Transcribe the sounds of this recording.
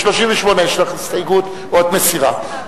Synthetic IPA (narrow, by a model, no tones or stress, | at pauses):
ʃlo̞ʃiɱveʃmoneʃlaχistajɡut̪ | od̪mesiʁa̰